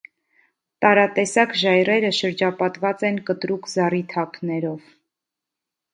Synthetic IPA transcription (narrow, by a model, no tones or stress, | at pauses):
t̪ɑɾɑt̪ɛsɑkʒɑjrɛɾəʃəɾd͡ʒɑpɑt̪vɑt͡sɛnkət̪ɾukzɑrit̪ʰɑknɛɾɔv